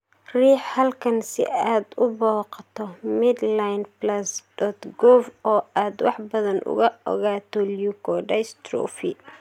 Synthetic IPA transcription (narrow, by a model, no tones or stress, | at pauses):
riːħhɐlkʰɐnsɪ̰aːd̪ʊbɔːqɑt̪ʰɔmɪd̪lajnplɐsdɔt̪ɡɔfɔːaːd̪wɑ̰ħbɐðɐnʔʊ̰ɣɐɔ̰ɣaːt̪ʰɔljukʰɔɖɐjst̪ɾɔ̰fi